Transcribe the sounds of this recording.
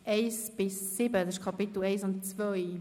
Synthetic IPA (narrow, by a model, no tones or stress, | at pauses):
ʔeɪsb̥ɪsːɪbədɑsɪʃkʰɑpɪtl̩ɛɪsʊntt͡svœj